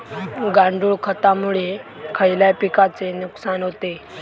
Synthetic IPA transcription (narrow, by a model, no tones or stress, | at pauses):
ɡaɳɖuːɭkʰət̪amuɭekʰəjljapikat͡senuksanɦot̪e